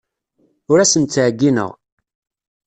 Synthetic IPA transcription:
ʊɾæsənt̪t͡sːʕɡːinə̰ʁ

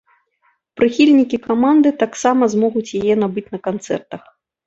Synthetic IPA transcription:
pɾɨxʲilʲnʲikʲikamand̪ɨt̪aksamɐzmɔɣut͡sʲjajɛnabɨt͡sʲnɐkant̪sɛ̰rt̪ɐx

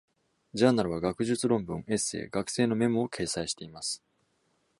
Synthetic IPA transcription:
d͡ʑaːnaɾɯ̟βaɡakɯ̟ʑɨt͡sɨɾõ̞mbɯ̟̃ŋe̞se̞̰ːɡakɯ̟̥se̞ːno̞me̞moːkʰe̞ːsaiɕi̥t̪e̞imasɨ̥

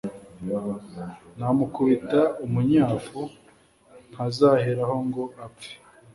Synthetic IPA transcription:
namukuβitaumuɲaːfu | n̥hazaːheɾaho̞ŋɡo̞ʔapp͡fe̥

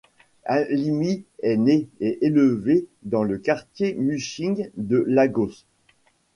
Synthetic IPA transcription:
alimiɛneɛʔeləved̪ɑ̃ləkaʁt̪jemyʃiŋd̪əlaɡos

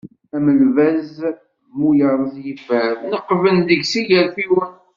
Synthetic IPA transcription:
æməlvæz | mujəɾˤzjəfəɾnəqːvənðəɡsiʝəɾθiwən

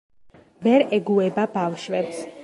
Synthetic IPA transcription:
vɛɾɛɡuɛbabafʃwɛps

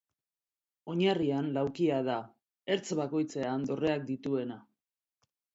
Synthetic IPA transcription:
o̞ɲarianlawkiaða | e̞ɾt͡sβako̞jt͡se̞and̪o̞re̞ak̚d̪it̪ue̞na

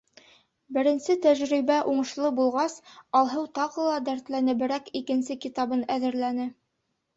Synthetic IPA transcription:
bɘ̆ɾɘ̆nsɘt̪æʑɾiβæʔuɴɤ̆ʃlˠɤbulˠʁɑsɑlˠɦɤwt̪ɑʁɤ̆lˠɑd̪æɾt̪lænɘ̆bɘ̆ɾækikɘ̆nsɘkit̪ɑβɤnæðɘ̆ɾlænɘ

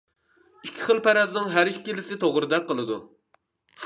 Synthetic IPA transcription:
ikʲʰːi̥χəlˠpæɾɛznɪŋɦæɾiʃkʲilɪsɪt̪ʰoʁɾɨd̪ɛqːəlˠɨd̪u

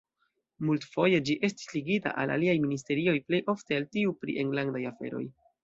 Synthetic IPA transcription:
multfo̞je̞d͡ʒiʔe̞sti̥sliɡita̰ʔa̰lʔa̰liajminis̬te̞ɾio̞jple̞jʔo̞fte̞altiupɾḭʔe̞ŋlandajafe̞̰ɾo̞̰j

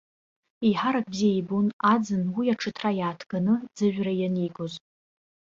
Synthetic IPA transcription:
iħaɾak̚ʰʼbziejbunad͡zɨnwijaʈ͡ʂʰɨtʰrajaːtʰɡ̥anɨd͡zɨʒʷᶣrajaniɡoz

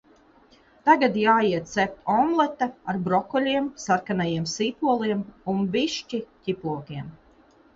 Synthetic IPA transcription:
t̪aɡad̪jaːjiɛt̪t̪sɛpɔmlˠɛt̪aaɾbɾɔkɔlʲiɛmsaɾkanajiɛmsiːpuɔlˠiɛmumbiʃt͡ʃicipuɔkiɛm

